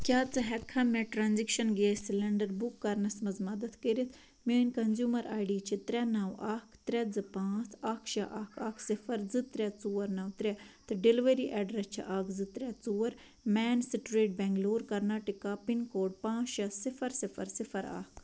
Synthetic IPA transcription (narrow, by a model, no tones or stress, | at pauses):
kʲjaːt͡sɨɦɛkʰːɐmɛ̃ʈɾaːnzikʃɐnɡeːsilɐɳɖɐɾbukːɐɾnɐsmɐzmɐd̪ɐd̪kəɾit̪ʰ | mʲiːinʲkɐnzjuːmɐɾʔa̰ːjɖiːt͡ʃʰit̪ɾʲɐnɐwaːkʰt̪ɾʲɛd͡zɨpãːt͡saːkʰʃɐʔaːkʰaːkʰsifɐɾd͡zɨt̪ɾʲɐt͡suːɐɾnɐwt̪ɾʲɛt̪ɨɖiliʋɐɾiːʔɛɖɾɛst͡ʃʰḭʔaːkzɨt̪ɾʲɐt͡suːɐɾ | mɛːnsiʈʲɾeːʈ̚bɛŋɡloːɾkɐɾnaːʈikapinkoːɖ̚pãːt͡ʃɐsifʰɐɾsifɐɾsifɐɾa̰ːk